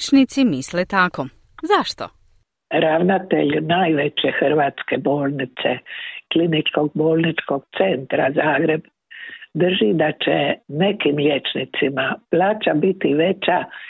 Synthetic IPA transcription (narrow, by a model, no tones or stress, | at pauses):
t͡ʃnit̪simislet̪ako | zaʃt̪o̰ | ɾaʋnat̪ḛʎnajʋet͡ʃe̞xr̩ʋaːt̪skebo̞ːlˠnit̪sḛklinit͡ʃko̞ɡ̚boːlˠnit͡ʃko̞ɡ̥t̪se̞nt̪ɾazaːɡɾe̞b | d̪r̩ʒid̪at͡ʃene̞kimlʲet͡ʃnit̪simaplaːt͡ʃabit̪iʋe̞t͡ʃa